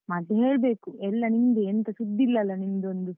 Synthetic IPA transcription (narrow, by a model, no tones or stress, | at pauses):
mɐd̪ɐɦe̞ːɭɐbeːkuɛlːɐnind̪uent̪ɐʃud̪ːilːɐlɐnind̪ond̪u